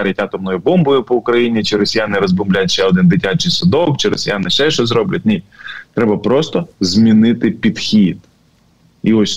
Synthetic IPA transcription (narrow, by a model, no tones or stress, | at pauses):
ɑɾʲɐtʲɑt̪ɔmnɔjʊbɔmbɔjʊpɔʊkɾɐjinʲit͡ʃɪɾɔsʲijanɪɾɔzbɔmblʲatʲʃɛɔd̪ɪnd̪ɪtʲat͡ʃɪjsʊd̪ɔwt͡ʃɪɾɔsʲijanɪʃɛʃt͡ʃɔzɾɔblʲɐtʲnʲit̚ʲt̪ɾɛbɐpɾɔst̪ɔzʲmʲinɪt̪ɪpʲid̪xʲid̪ | iɔsʲ